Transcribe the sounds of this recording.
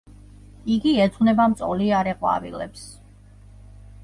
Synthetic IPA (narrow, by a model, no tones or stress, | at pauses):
iɡiɛt̪sʰʼunɛbamt̪sʼɔliaɾɛqʼwa̰vḭlɛ̰ps